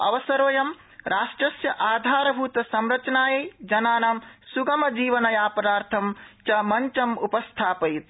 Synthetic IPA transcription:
ɐ̰ʋɐsɐɾoːjɐm | ɾaːʂʈɾɐsjɐʔaːd̪ʱaːɾɐbʱuːt̪ɐsɐmɾɐt͡ʃɐnaːjɐjd͡ʒɐnaːnamsuɡɐmɐd͡ʒiːʋɐnɐjaːpɐɾaːɾt̪ʰɐmt͡ʃɐmɐɲt͡ʃɐmupɐst̪ʰaːpɐit̪̚

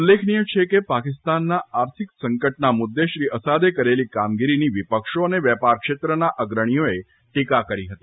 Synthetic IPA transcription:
ulːekʰnijət͡ʃʰekepakɪst̪anːaaɾt̪ʰiksəŋkəʈ̚namud̪ʱːeʃɾiʔəsad̪ekəɾelikamɡiɾiniʋipəkʃoəneʋjɛpaɾkʃet̪ɾənaʔəɡɾəɽ̃ijoe | ʈikakəɾiɦət̪i

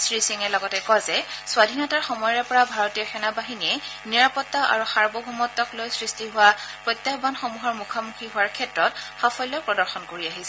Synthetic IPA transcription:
sɹisiŋɛlɔɡɔtɛkɔjzɛswadʱinɔtaɹxɔmɔjɹɛpɔɹabʱaɹɔtijɔxɛnabaɦiniɛniɹapɔtːaʔa̰ɹuxaɹbɔbʱumɔtːɔklojsɹistiɦʊwapɹɔjtːjabanxɔmuɦɔɹmukʰamukʰiɦʊwaɹkʰɛtɹɔtxafʰɔjlːɔjpɹɔdɔɹxɔnkoɹiaɦisɛ

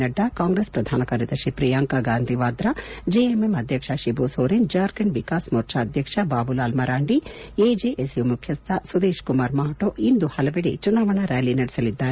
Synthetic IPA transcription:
ɐɖːɐkaːŋɡɾespɾɐd̪ʱaːnɐkɐɾid̪ɐʃipɾijaːŋkaɡaːnd̪ʱiʋaːd̪ɾɐd͡ʒeːememɐd̪ʱjɐkʂɐʃiboːsoːɾend͡ʒɐːɾkɐɳʋikaːsmoːɾt͡ʃʰaːɐd̪ʱjɐkʂɐbaːbulaːlmɐɾaːɳɖieːd͡ʒeːʔesjumukʰjɐst̪ʰɐsud̪eːʃkumaːɾmaːʈoʔind̪uhɐlɐbiɽit͡ʃunaːʋɐɳɐɾaːlinɐɽisɐlid̪ːaːɾe

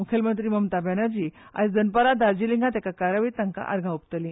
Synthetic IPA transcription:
mukʰəlmənt̪ɾiːməmt̪abanaɾd͡ʑiːa̰d͡zənpalad̪aɾd͡ʑiliŋɡat̪akakaɾaʋiːt̪aŋka̰ʔa̰ɾɡʱãupt̪əlĩ

